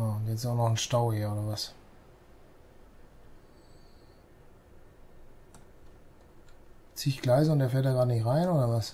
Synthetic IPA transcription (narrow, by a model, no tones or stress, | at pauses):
anɛt͡sɪ̥saʊnɔχn̩ʃtaʊhiːɐoːdɐvas | t͡siːɪçɡ̥laɪzʊnd̥eɐfɛɐtdaːɡʁaːdənɪçʁaɪnʔoːɾɐvas